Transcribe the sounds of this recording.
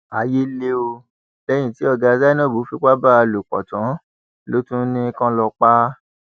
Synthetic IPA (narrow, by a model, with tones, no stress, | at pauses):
a˨je˦le˦o˧ | bɛ˦j̃ĩ˨ti˨˦ɔ˧ɡa˧za˦nɔ̃˦˨bo˨˦fi˧ka˦ba˦˧lo˨k͡pɔ̰˨tã˨˦ | lo˦tũ˦nĩ˧˦kã˧lɔ˧k͡pa˦